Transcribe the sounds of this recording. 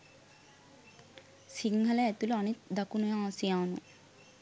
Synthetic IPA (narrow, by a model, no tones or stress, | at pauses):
siŋɡʱɐlɐːt̪uluɐnit̪d̪ɐkunujaːsijaːnṵ